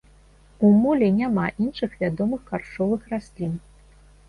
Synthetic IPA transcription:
umulʲɛnʲamaʔinʂɨxvʲad̪ɔmɨxkarʂɔvɨxrasʲlʲin

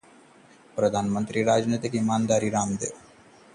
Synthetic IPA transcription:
pɾɐd̪ʱaːnɐmɐnt̪ɾiɾaːd͡ʒnit̪ikimaːnd̪aːɾiɾaːmd̪ɨ

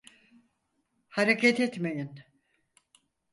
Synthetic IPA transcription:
haɾecʰat̪ɛt̪mejin

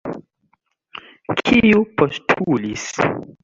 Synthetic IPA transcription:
kʰiupostʰulis

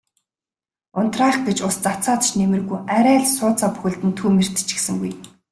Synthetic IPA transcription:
ʊnt̪raːχɡet͡ɕʊst͡sat͡saːt̪t͡ɕnemɘ̆rɣujæɾæːɮsʊːt͡saːpu̥xɘ̆ɮt̪ɘ̆nt̪ʰuːmer̥t̪ɘ̥̆t͡ɕĭ̥sɘ̆ŋɡuj

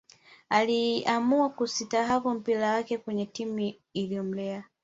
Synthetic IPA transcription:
aliamuakusitaɦavum̩piɾawakɛkwɛɲɛtimu | ilijɔm̩lɛa

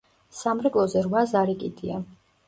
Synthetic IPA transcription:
samɾɛkʼlˠɔzɛɾwazaɾikʼid̪ia

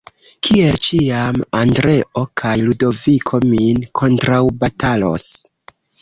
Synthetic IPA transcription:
kʰie̞lt͡ʃiamandɾe̞ʔo̞kʰajludo̞vikʰo̞minkʰo̞ntɾawbatʰalo̞̰s

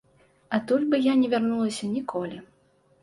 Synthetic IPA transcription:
at̪ulʲbɨjanʲɛvʲarnulˠɐsʲɐnʲikʰɔlʲi

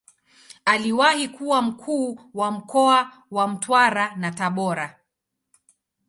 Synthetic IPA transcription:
aliwahikuwam̩kʰuːwam̩kɔa | wam̩twaɾanataɓɔɾa

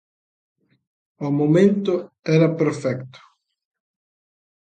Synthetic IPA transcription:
ʊmomẽnt̪ʊ | ɛɾɐpeɾfɛkt̪ʊ̥

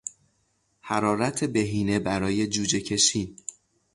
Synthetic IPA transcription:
hæɾɒːɾæt̪ʰebe̞ɦiːne̞bæɾɒːje̞d͡ʒuːd͡ʒe̞cʰe̞ʃiːn

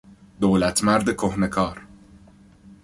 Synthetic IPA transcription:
d̪oːlæt̪ʰmæɾd̪ekʰohne̞kʰɒːɾ

